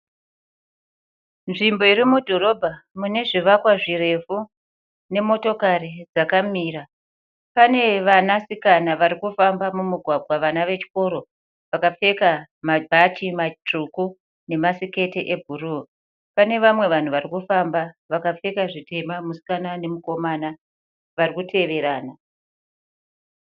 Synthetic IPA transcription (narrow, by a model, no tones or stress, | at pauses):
nʐimbo̞iɾimudʱo̞ro̞bʱamune̞ʐiʋakwaʐiɾe̞fu | ne̞mo̞to̞karid͡zakamiːra | pane̞ʋanasikanaʋaɾikufambamumuɡʱwaɡʱwaʋanaʋe̞t͡ʃi̥ko̞ɾo̞ | ʋakap͡fe̞ka | mabʱat͡ʃimat͡ʂuku | ne̞masike̞teʔebʱuru | pane̞ʋamwe̞ʋan̤uʋarikufambaʋakap͡fe̞kaʐite̞mamusi̥kanane̞muko̞mana | ʋarikutʰe̞ʋe̞ɾaːna